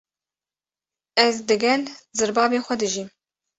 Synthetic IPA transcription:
ɛzd̪ɨɡɛlzɨɾbɑːbeːxʷɛd̪ɨʒim

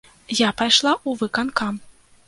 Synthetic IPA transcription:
japajʂlˠaʔuvɨkankam

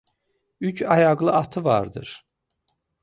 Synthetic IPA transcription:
yt͡ʃʰɑjɑɣlˠɯʔɑt̪ʰɯvɑ̰ɾd̪ɯ̰ɾ̥

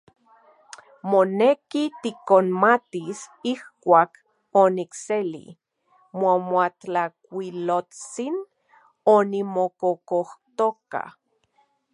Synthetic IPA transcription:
monekit̪ikonmat̪isihkʷaːk | onikselḭ | momwatak̚ʷilot͡sin | onimokokoht̪oka̰

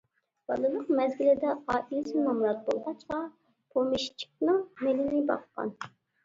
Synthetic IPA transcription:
b̥ɑ̰lˠɨlˠəqmɛzɡʲilɪd̪ɛɑːʔilɪsɪmɑmuɾɑt̪̚bo̰lˠʁɑt͡ʃqɑ | pʰomiʃt͡ʃʰi̥k̚nɨŋmelɪnɪbɑ̰qqɑ̰n

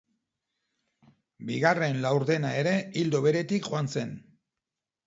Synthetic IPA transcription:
biɣare̞nlawɾðe̞nae̞ɾe̞ild̪oβe̞ɾe̞t̪ikʝoanse̞n

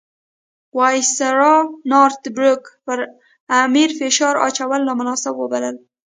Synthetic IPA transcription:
wɑjsaɾɑnɑɾt̪bɾʊkpəɾ | amiɾfeʃɑɾɑ̰t͡ʃawəlːamʊnɑsɪbwəbaləl

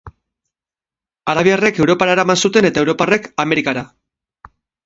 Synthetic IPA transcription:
aðaβiare̞ke̞wɾo̞paɾaeɾamansut̪e̞ne̞t̪aewɾo̞pare̞kame̞ɾikaɾa

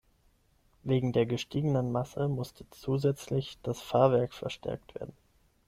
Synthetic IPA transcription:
veːɡŋ̩deːɐɡəʃtʰiːɡənənmasəmʊstʰət͡suːzɛt͡slɪçd̥asfaːɐvɛɐkfɛɐʃtʰɛ̰ɐk̚tv̥ḛːɐdn̩

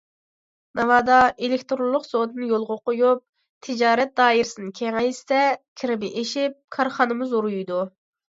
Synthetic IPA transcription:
nɑvɑːd̪ɑelɪkʲt̪ɾolˠːʊqsod̪ɨnjolˠʁʊqʰʊjup̚ | t̪ʰɪd͡ʒɑːɾɛt̪̚d̪ɑːiɾɪsɨnɨkʲʰɛŋɛjst̪ɛkʲʰɪɾɪbɪʔeʃip̚kʰɑɾχɑnɨmuzuɾujd̪u

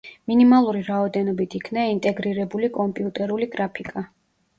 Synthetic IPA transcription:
minimalˠuɾiɾaɔd̪ɛnɔbit̪ʰikʰnaint̪ʼɛɡɾiɾɛbulikʼɔmpʼiut̪ʼɛɾuliɡɾapʰikʼa

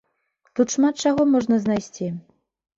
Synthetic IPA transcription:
t̪ut̪ʂmat̪̚t͡ʂaɣɔmɔʐnɐznajsʲt͡sʲi

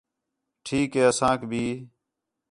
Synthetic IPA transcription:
ʈʰiːkɦeːəsãːkbʱiː

